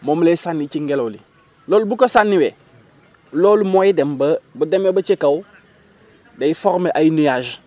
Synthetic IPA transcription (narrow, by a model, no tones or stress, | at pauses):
momlesanːit͡ʃiŋɡeloli | loːlbukosanːiwe | lolumojidembəbudemwebət͡ʃekaw | dejifɔɾmeʔajinujaʒ